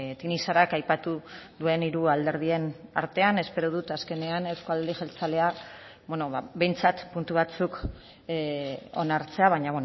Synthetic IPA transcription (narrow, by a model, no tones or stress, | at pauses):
t̪inisaɾakajpat̪uðue̞niɾuald̪e̞ɾð̞ie̞na̰ɾt̪e̞ane̞spe̞ɾoð̞ut̪aske̞ne̞anewskoald̪iʝelt͡sale̞a | βwenoβaβe̞jnt͡sat̪punt̪uβat͡suk | o̞̰naɾt͡se̞aβ̞aɲaβwen